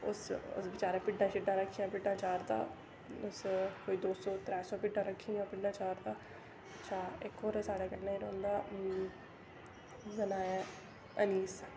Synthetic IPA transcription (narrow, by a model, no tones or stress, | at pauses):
ʊ̰sʊ̰sbɪt͡ʃaːɾẽːpɪɖːãːt͡ʃɪɖːãːɾəkʰːiːãːpɪɖːãːt͡ʃaːɾt̪a̰ː | ʊskoːiːd̪oːsɔːt̪ɾɛːsɔːpɪɖːãːɾəkʰːĩːjãːpɪɖãːt͡ʃaːɾt̪aː | ətːʃʰaːɪkoːɾɛːsaːɽaːkɛɾnaːiɾɔ̃ːnd̪aː | zənaːɛ | əniːs